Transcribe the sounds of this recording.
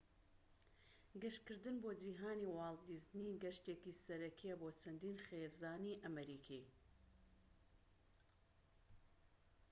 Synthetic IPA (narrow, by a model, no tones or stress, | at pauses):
ɡɐʃkɨɾd̪ɨnboːd͡ʒiːɦaːniwɑːlˠd̪izniɡɐʃt̪eːkisɐɾɐkʰijɛboːt͡ʃʰɐnd̪iːnxezd̪aːniʔɐmɐɾiːkʰi